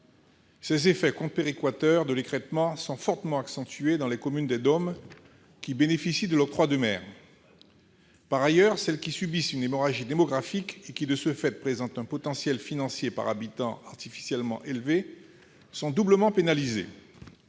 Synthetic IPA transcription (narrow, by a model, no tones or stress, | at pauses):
sɛzefɛkɔ̃peʁikwat̪œʁd̪əlekχɛt̪mɑ̃sɔ̃fɔʁt̪əmɑ̃aksɑ̃t̪yed̪ɑ̃lɛkɔmynd̪ɛd̪ɔm | kʲibenefisid̪əlɔt̪χwad̪əmɛ̰ːʁ | paʁajœʁsɛlkʲisybisynemɔʁaʒid̪emɔɡʁafikekʲid̪əsəfɛt̪̚pχezɑ̃t̪ɛ̃pɔt̪ɑ̃sjɛlfinɑ̃sjepa̰ʁabit̪ɑ̃aʁt̪ifi̥sjɛlmɑ̰̃ʔelve | sɔ̃d̪ubləmɑ̃penalizḛ